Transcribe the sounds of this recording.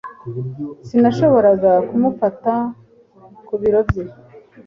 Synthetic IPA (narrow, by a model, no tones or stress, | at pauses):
sinaʃo̞βo̞ɾaɡakumufata | kuβiɾo̞vji